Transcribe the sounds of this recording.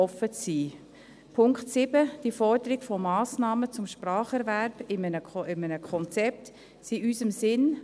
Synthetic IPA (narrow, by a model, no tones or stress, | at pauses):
ɔfət͡siː | pʰʊŋkχtsɪbəd̥ifɔrdəɾɪɡ̥fɔmɑːsnɑːmət͡sʊmʃprɑːχɛɾvæɾb̥ɪmənəɪmənəkʰɔnt͡sɛp̚t | siʔysəmsɪn